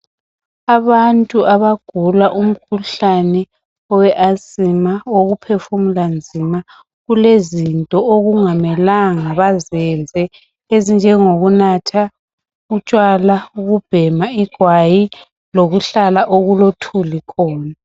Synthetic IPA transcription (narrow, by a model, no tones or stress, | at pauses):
aβantʼuʔaβaɡ̥ʱulaʔum̩kʰuɬanɛ | ɔwɛʔasʼimaoɣupʰefumuland͡zʱima | ɣulezintʼɔoɣuŋamɛlaŋaβazɛnd͡zʱɛ | ezind͡ʒʱɛŋoɣunatʰa | ɣut͡ʃʼwalauɣub̥ʱɛmaiɡ̥ʱwaji | loɣuɬalaʔoɣulotʰulikʰɔːna